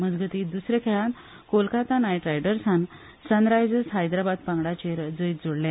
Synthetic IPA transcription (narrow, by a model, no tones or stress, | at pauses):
məd͡zɡət̪iːd̪usɾekʰeɭãn | kolkat̪anajʈɾajɖəɾsan | sənɾajd͡zəsɦajd̪ɾabad̪̚paŋɡɽat͡ɕeɾd͡zəjt̪̚d͡zoɽla